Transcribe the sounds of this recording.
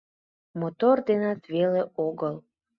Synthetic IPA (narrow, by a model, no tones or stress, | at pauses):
mot̪ord̪enɑt̪βeleoɣəl